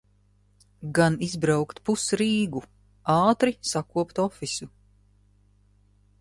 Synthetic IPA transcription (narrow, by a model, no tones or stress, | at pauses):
ɡanizbɾawkt̪pusɾiːɡu | ɑːt̪ɾisakuɔpt̪ɔfisu